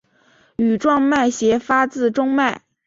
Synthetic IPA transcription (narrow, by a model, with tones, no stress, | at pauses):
y˨˩ʈ͡ʂwɑ˥˧ŋma˥˩ɪɕjɛ˧˥fa˥t͡sɹ̩˥˧ʈ͡ʂʊ˥ŋma˥˩ɪ